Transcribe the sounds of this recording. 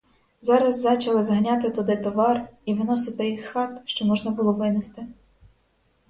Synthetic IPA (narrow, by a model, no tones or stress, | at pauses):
zɑɾɐzːɑt͡ʃɐlˠɪzɦɐnʲɑt̪ɪt̪ʊd̪ɪt̪ɔʋɑriʋɪnɔsɪt̪ɪisxɑt̪ʃt͡ʃɔmɔʒnɐbʊlˠɔʋɪnɪst̪ɪ